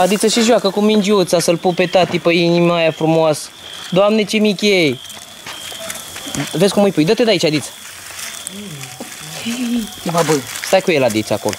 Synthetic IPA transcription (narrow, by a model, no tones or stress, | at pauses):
ad̪it̪səʃiʒoakəkumind͡ʒiut̪sasəlpupe̞t̪at̪ipəinimajafɾumoasə̥ | d̪oamne̞t͡ʃemikʲej | ve̞sʲkumːɨjpujd̪ət̪ed̪ait͡ʃʲad̪it̪sə̥ | et̪ebabəst̪ajkujelad̪it̪sa̰ko̞lo̰